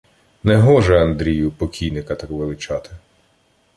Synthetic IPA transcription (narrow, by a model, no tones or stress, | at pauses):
nɛɦɔʒɛɐnd̪ɾʲijʊpɔkʲʰijnɪkɐt̪ɑkʋelˠɪt͡ʃɑt̪ɪ̥